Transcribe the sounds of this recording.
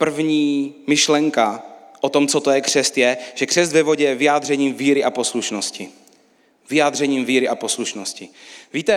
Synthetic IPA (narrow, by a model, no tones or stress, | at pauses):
pr̩vɲiːmɪʃlɛŋkaʔot̪o̞mt͡sot̪ojɛkr̝̥ɛst̪jɛʒ̥ɛkr̥ɛst̪vɛvo̞ɟɛjɛvɪjaːd̪rɛɲiːmviːɾɪʔapo̞sluʃnoscɪ | vɪjaːd̪r̝ɛɲiːmviːɾɪʔapo̞sluʃnoscɪviːt̪ɛ